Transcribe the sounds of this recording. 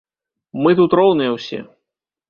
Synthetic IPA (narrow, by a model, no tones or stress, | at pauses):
mɨt̪ut̪rɔwnɨjɐwsʲɛ̰